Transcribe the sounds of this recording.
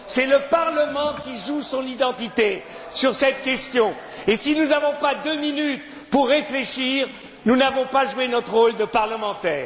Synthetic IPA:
sɛləpaʁləmɑ̃kʲiʒusɔ̃nid̪ɑ̃t̪it̪e | syʁsɛt̪̚kʲɛst̪jɔ̃ | esinunavɔ̃pad̪øminyt̪ | puʁːefleʃiʁ | nunavɔ̃paʒuenɔt̪χʁold̪əpaʁləmɑ̃t̪ɛːʁ

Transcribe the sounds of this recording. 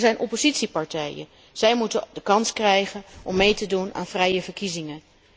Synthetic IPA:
zɛjnʔɔpozitsipɑɹtɛjə̰ | z̥ɛjmutədəkɑnskrɛjχənʔɔmːejtəduna̰ːnvrɛjəvəɹkizɪŋən

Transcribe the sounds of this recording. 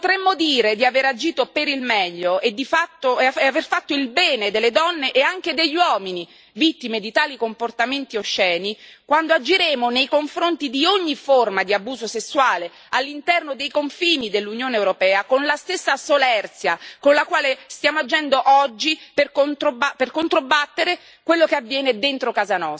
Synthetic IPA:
ppot̪ɾemːod̪iːɾed̪iaveɾad͡ʒiːt̪opeɾilmɛʎːoʔed̪ifat̪ːoaaverfat̪ːoilbɛːned̪elːed̪ɔnːeʔeaŋk̟ed̪eʎːwɔːmini | vit̪ːimed̪it̪aːlikomport̪ament̪ioʃːɛːnikwand̪oad͡ʒiɾeːmonejkoɱfɾont̪id̪ioɲːiformad̪iabuːzosesːwaːle | alːint̪ɛrnod̪ejkoɱfiːnid̪elːunjoːneːwɾopɛːakonlast̪esːasolɛrt̪sjakonlakwaːlest̪jaːmoad͡ʒːɛnd̪oʔɔd͡ʒːiperkont̪obaperkont̪ɾobat̪ːeɾe | kwelːokeavːjɛːned̪ent̪ɾokaːzanɔs

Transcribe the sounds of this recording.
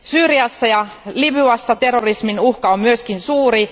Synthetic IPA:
syːriɑsːɑjɑ | libyɑsːɑt̪e̞rːorisminuhkɑommyøskinsuːɾi

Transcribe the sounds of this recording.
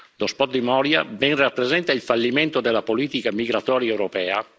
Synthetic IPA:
d̪ospɔt̪̚d̪imɔːɾja̰bɛŋrapːɾezɛnt̪ailfalːiment̪od̪elːapoliːt̪ikamiɡɾat̪ɔːɾjaɛwɾopɛːa̰

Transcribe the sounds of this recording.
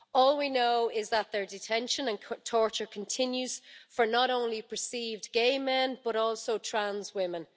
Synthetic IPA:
ɔːlˠwinoʊɪzðət̪̚ðə˞dɪtʰɛ̃nʃə̃nə̃nʰtʰɔɹt͡ʃə˞kʰə̃ntʰɪ̃njʉz̥fə˞nəɾõʊ̃nlipʰə˞siːvdɡeɪmɛ̃nb̥ʌɾɔˑlˠsoʊtʰɹ̥ãnzwɪ̃mə̃n

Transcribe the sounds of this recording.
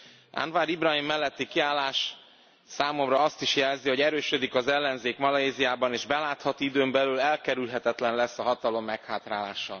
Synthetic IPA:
a̰nvaːɾibrɒɦimːɛlːɛt̪ːikiaːlːaːʃ | saːmo̞mrɒɒst̪iʃjɛlziho̞ɟɛɾøːʃød̪ikɒzɛlːɛnzeːkmɒlɒeːzijaːbɒneːʒbɛlaːt̪hɒt̪id̪øːmbɛlylɛlkɛɾylɦɛt̪ɛt̪lɛnlɛsːɒɦɒt̪ɒlo̞mːɛkhaːt̪raːla̰ːʃɒ

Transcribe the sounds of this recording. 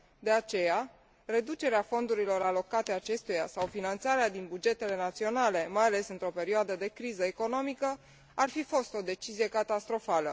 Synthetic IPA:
d̪e̞at͡ʃe̞ja | re̞d̪ut͡ʃe̞ɾeafo̞nd̪uɾilo̞ɾalo̞kat̪e̞at͡ʃe̞st̪ujasawfinant̪saɾead̪inbud͡ʒe̞t̪e̞le̞nat̪sio̞nale̞majale̞sɨnt̪ɾo̞pe̞ɾioad̪əd̪e̞kɾizəeko̞no̞mikə | arfifo̞st̪o̞d̪e̞t͡ʃizije̞kat̪ast̪ɾo̞falə̰

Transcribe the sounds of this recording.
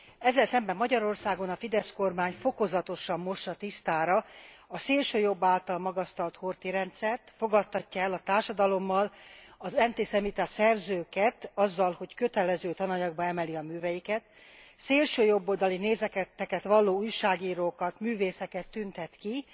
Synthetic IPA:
ɛzːɛlsɛmbɛmːɒɟɒɾo̞rsaːɡo̞nɒfid̪ɛsko̞rmaːɲfo̞ko̞zɒt̪o̞ʃɒmːo̞ʃɒt̪ist̪aːɾɒɒseːlʃøːjo̞bːaːlt̪ɒlmɒɡɒst̪ɒlt̪hort̪iɾɛnt̪sɛrt̪fo̞ɡɒt̪ʰːɒcːɒɛlɒt̪aːrʃɒd̪ɒlo̞mːɒlɒzɛnt̪eːsɛmit̪ɛsɛrzøːkɛt̪ɒzːɒlho̞ckø̞t̪ɛlɛzøːt̪ɒnɒɲɒɡ̚bɒɛmɛliɒmyːvɛjikɛt̪ | seːlʃøːjo̞bːo̞ld̪ɒlineːzɛkɛt̪ːɛkɛt̪ʋɒlːoːuːjʃaːɡiːɾoːkɒt̪myːveːsɛkɛt̪ːynt̪ɛt̪ki

